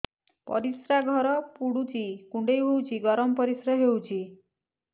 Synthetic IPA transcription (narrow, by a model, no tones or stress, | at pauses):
pɔ̰ɾisɾaɡʱɔɾɔpuɽut͡ʃikuɳɖejɦowt͡ʃiɡɔɾɔmpɔɾisɾɔɦewt͡ʃi